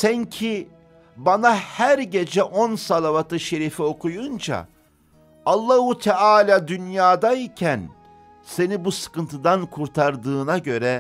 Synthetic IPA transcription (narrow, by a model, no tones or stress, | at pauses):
sæncʰi | banahæɾɟe̞d͡ʒɛʔo̞nsalˠavat̪ʰɯʃe̞ɾifio̞kʰujund͡ʒa̰ | alˠːahut̪ʰɛaːlʲaːd̪ynjaːd̪aicʰæn | se̞nibusɯ̥kɯnt̪ʰɯd̪ankʰuɾt̪ʰaɾd̪ɯːnaɟø̞ɾɛ